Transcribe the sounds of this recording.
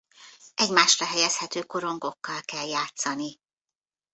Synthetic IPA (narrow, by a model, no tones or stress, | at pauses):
ʔɛɟmaːʃrɒɦɛjɛshɛt̪øːko̞ɾo̞ŋɡo̞kːɒlkɛljaːt̪sɒni